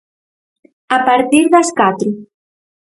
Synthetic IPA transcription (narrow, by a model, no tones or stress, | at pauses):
apaɾt̪iɾðaskat̪ɾu